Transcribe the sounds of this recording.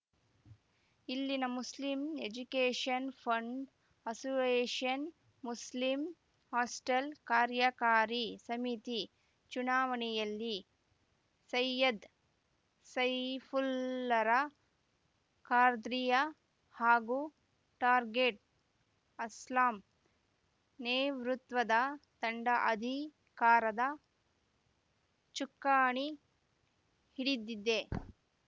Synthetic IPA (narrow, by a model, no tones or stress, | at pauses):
ilːinɐmuslimed͡ʒukeːʂɐnpʰɐɳɖ | ɐsueːʂɐn | muslim | haːsʈɐlkaːɾjɐkaːɾisɐmit̪i | t͡ʃunaːʋɐɳɛjɐlːi | sɐjɐd̪ | sɐjpʰulːɐɾɐ | kaːɾd̪ɾijɐ | haːɡu | ʈaːɾɡeʈ̚ | ɐslaːm | neːʋɾut̪ʋɐd̪ɐt̪ɐɳɖɐʔɐd̪ʱi | kaːɾɐd̪ɐ | t͡ʃukːaːɳi | hiɽid̪ːid̪ːe